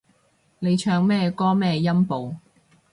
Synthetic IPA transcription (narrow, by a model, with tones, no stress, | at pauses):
ne˨˧jt͡ʃʰœː˧ŋmɛː˥kɔː˥mɛː˥jɐ˥mpo˨w